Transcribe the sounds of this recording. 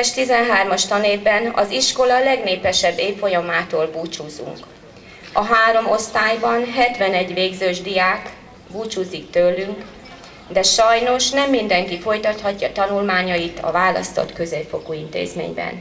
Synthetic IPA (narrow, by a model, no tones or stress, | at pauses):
ɛʃt̪izɛnɦaːrmɒʃt̪ɒneːvbɛnɒ̰ziʃko̞lɒlɛɡneːpɛʃɛbːeːffo̞jɒmaːt̪oːlbuːt͡ʃuːzṵŋk | ɒɦaːɾo̞mo̞st̪aːjbɒnɦɛt̪ʋɛnɛɟʋeːɡzøːʒd̪ijaːk | buːt͡ʃuːzikt̪ølːyŋk | d̪ɛʃɒjno̞ʃnɛmːind̪ɛŋkifo̞jt̪ɒt̪hɒcːɒt̪ɒnulmaːɲɒjit̪ɒ̰vaːlɒ̰st̪o̰t̪kø̞zeːfo̞kuint̪ḛːzmḛːɲbɛ̰n